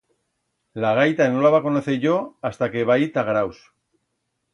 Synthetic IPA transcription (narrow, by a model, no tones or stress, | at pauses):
laɣ̞ajt̪anolaβako̞noθeʝo̞ast̪ake̞βajt̪aɣɾaws